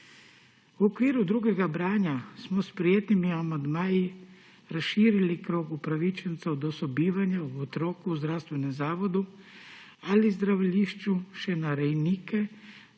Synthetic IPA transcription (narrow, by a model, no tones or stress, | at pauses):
uokʋiːɾud̪ɾuɡeɡabɾaːɲasmospɾijet̪nimiamand̪maːji | ɾasʃiːɾilikɾoːɡupɾaʋit͡ʃent̪saud̪osobiːʋaɲauot̪ɾoːkuuzd̪ɾawst̪ʋenemzaːʋod̪u | alizd̪ɾaʋʎiʃt͡ʃuʃenaɾejniːke